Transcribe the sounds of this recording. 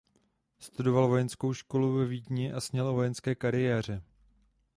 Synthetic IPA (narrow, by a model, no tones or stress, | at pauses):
st̪udo̞valvo̞jɛnsko̞wʃko̞luvɛviːdɲɪʔasɲɛlovo̞jɛnskɛːkaɾɪjɛːr̝ɛ